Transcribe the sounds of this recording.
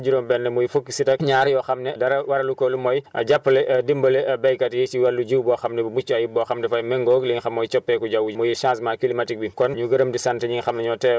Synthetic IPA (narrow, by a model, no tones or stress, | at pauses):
d͡ʒuɾombɛnːɐmujifukːisitɐkɲaːɾjɔxɐmnɛdɐɾɐwɐɾɐlukolumɔjʔɐ̰ɟapːlɛʔdimbɐlɛbɛjkɐtjit͡ʃiwɐlːuɟiuwbɔxɐmnɛbumut͡ʃːajibɔxamdɛfajmɛŋɡoːɡliŋxɐmːɔjt͡ʃɔpːɛkuɟawumujiʃãːsmakilimatik̚bikɔnɲuɡɐɾəmdisantɛɲiŋxɐmnɛɲɔtɛ